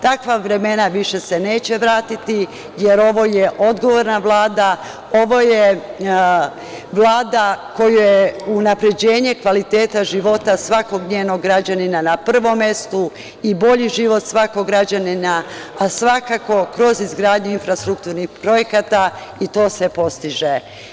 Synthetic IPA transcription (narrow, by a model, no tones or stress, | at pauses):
t̪akʋaʋɾe̞me̞naʋiʃe̞sene̞ːt͡ɕe̞ʋɾaːt̪it̪i | je̞ɾo̞ʋo̞je̞ʔo̞d̪ɡo̞ʋo̞ɾnaʋlˠaːd̪a | o̞ʋo̞je | ʋlˠaːd̪ako̞jujeunapɾe̞d͡ʑe̞ːɲe̞kʋalit̪eːt̪aʒiʋo̞t̪asʋako̞ɡɲeːno̞ɡːɾad͡ʑaninanapr̩ʋo̞mːe̞st̪u | ibo̞ʎiʒiʋo̞t̪sʋakoɡɾad͡ʑaninaːsʋakako̞kɾo̞zizɡɾaːd̪ɲuinfɾast̪ɾukt̪uːɾnixpɾo̞je̞kat̪ait̪o̞ːsʋe̞po̞st̪iʒe